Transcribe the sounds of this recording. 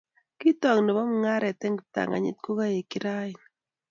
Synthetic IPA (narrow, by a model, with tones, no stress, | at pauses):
ki˦tɔ˨ŋnɔ˨bɔ˦m˦ŋa˦ɾɛ˨tɛ˦ŋta̰˨ŋa̰˨ɲɪ̰˦t̚ko˦ka˦je˨ki˦ɾa˦ɪ˨n